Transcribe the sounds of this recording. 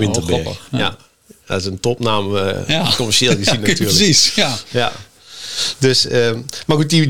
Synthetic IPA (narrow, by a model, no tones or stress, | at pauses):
ʋɪntəbɪja | da̰ɪsəntɔpnaːməkɔmərʃeːlˠɡəzinatyːləisja̰ | døsəmarɡut̚i